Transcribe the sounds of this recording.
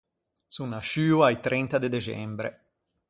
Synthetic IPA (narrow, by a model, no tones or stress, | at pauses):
sunaʃyːuait̪ɾɛnt̪ad̪ed̪et͡ʃɛ̰mbɾḛ